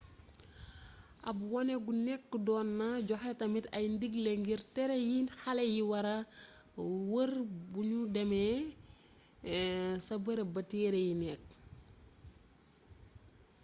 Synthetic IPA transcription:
ʔɐbwɔnɛɡunɛkːudɔːnːɐɟɔxɛtɐmitɐjndiɡleŋɡirtɛɾejiːnhɐlɛjiwɐɾɐ | wərbuɲudɐmɛ | sɐbɐɾɐbɐtiːɾejinɛk̚

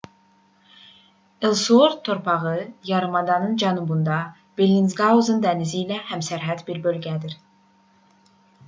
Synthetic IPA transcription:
elˠsuoɾt̪ʰːoɾpʰɑʁɯjɑɾɯmɑd̪ɑnɯnd͡ʒɑnubund̪ɑ | b̥elʲːinzɡɑuzɯnd̪ænizilæhæmsæɾɦæd̪biɾbølʲɡʲæd̪iɾ

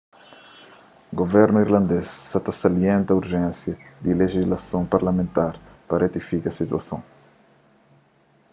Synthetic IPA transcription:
ɡovɛɾnuiɾlɐ̃nd̪esːat̪ɐsalijẽnt̪ɐuɾʒɛ̃nsjɐd̪ileʒizlasõpaɾlamẽnt̪aɾpɐret̪ifikɐsit̪wɐ̰sõw

